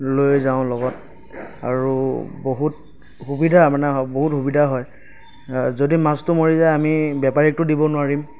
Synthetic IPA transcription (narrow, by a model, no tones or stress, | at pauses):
lojzaʊ̃lɔɡɔt̚ | a̰ɹuboɦut̚ | hubidʱamanɛɔboɦutɦubidʱaɦɔj | zodimastʊmoɹizajamibjɛpaɹɛk̚tʊdibɔnʊwaɹim